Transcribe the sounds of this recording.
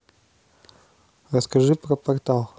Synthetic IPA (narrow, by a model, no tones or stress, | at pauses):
rəskɐʐɨpɾɐpɐrt̪alˠ